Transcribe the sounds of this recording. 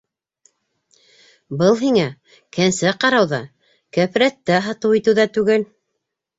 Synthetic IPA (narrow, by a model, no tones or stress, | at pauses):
bɤlˠɦiŋæ | kænsæqɑɾɑwðɑ | kæf̆ɾæt̪ːæɦɑt̪ɤwit̪ɘ̆wðæt̪ʉɡɘl